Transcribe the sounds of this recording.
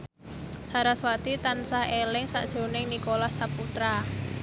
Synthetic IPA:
saɾaswat̪it̪ansahelɪŋsa̰ʔd̥ʒ̥o̤nɪŋnikolahsaput̪ɾa

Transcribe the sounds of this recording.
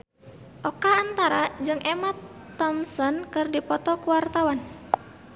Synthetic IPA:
ʔɔkaːnt̪aɾad͡ʒɨŋɛmat̪ː | ɔmsɔnkɨrdipɔt̪ɔkuwart̪awan

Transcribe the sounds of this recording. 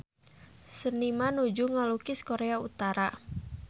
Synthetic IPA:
sənimanud͡ʒuŋalukɪskoɾeaut̪aɾa

